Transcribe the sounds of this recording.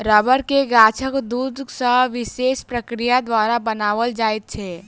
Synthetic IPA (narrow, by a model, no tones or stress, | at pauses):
ɾəbəɾkeɡaːt͡ʃʰəkd̪ud̪sə̃ʋɪʃeːspɾəkɾijad̪ʋaːɾabənaːʋəld͡ʒaːjt̪̚t͡ʃʰɛː